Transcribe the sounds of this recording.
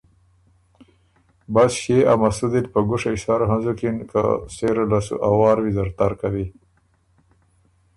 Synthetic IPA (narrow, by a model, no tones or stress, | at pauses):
basʃeamasud̪it̪pəɡʊʂaʃaɾɦanzukinka̰seɾalasṵʔawɑːɾwizaɾt̪aɾkawi